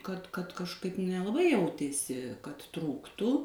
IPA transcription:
kɐt kɐt kɐʃˈkɐɪp nʲɛlˠɐˈbɐɪ ˈjɛʊtʲeːsʲɪ kɐt ˈtruːktuː

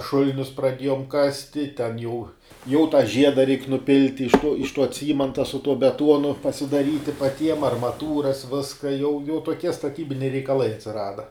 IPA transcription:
ˈʃʊlʲɪnʲʊs prɐˈdʲeːjoːm ˈkɑːsʲtʲɪ tʲɛn jɛʊ jɛʊ tɑː ˈʒʲiɛdɐ rʲɛɪk nʊˈpʲɪlʲtʲɪ ɪʃ tuɔ ɪʃ tuɔ ˈt͡sʲiːmɐntɐ sʊ tuɔ bʲɛˈtuɔnʊ pɐsʲɪdɐˈrʲiːtʲɪ pɐˈtʲiɛm ɐrmɐˈtuːrɐs ˈʋʲɪskɐ jɛʊ jɛʊ toːˈkʲiɛ stɐˈtʲiːbʲɪnʲɛɪ rʲɛɪkɐˈlˠɐɪ ɐtʲsʲɪˈrɑːdɐ

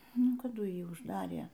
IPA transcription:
ˈnʊ kɐˈdʊ ˈjiː ʊʒˈdɑːrʲeː

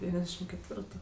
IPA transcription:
dʲɛˈʋʲiːnʲɛzʲˌdʲæːʃʲɪm kʲɛtʲˈʋʲɪrtʊ

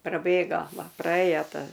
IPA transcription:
prɐˈbʲeːɡoː ˈʋɐ prɐˈeːjoː ˈtɐ

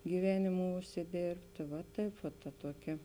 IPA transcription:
ɡʲiːˈʋʲæːnʲɪmʊ ʊʃʲsʲɪˈdʲeːrʲpʲtʲeː ʋɐ ˈtɐɪp ʋɐt tɐ ˈtuɔˌkʲɛ

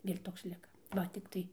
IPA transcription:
ɪr ˈtoːks ˈlʲɪkɐ ˈʋɐ tʲɪkˈtɐɪ

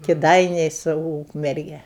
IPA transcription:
kʲɪˈdɐɪnʲɛɪ sʊ ˈuːkmʲɛrʲɡʲɛ

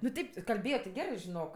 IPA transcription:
nʊ ˈtʲɛɪp kɐlʲˈbʲeːjoː tʲɪ ˈɡʲæːrɜ ʒʲɪˈnoːk

